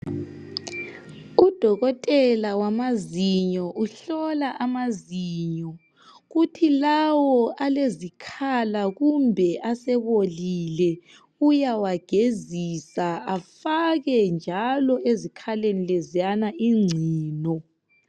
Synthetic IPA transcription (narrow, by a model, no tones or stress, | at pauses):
ud̥ʱɔɣɔtʼɛlawamaziɲɔʔuɬɔlaʔamaziːɲɔ | ɣutʰilawɔʔalezikʰalaɣumbʱɛʔasɛβolilɛ | ujawaɡ̥ʱezisaafaɣɛnd͡ʒʱalɔezikʰalenilezianaʔiŋ͡ǀʱiːnɔ